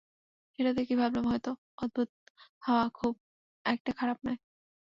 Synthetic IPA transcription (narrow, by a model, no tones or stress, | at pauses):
eɾat̪ekibʱablomɦɔjt̪o | od̪̚bʱut̪̚haoakʰub̚ | ɛk̚ʈakʰaɾap̚nae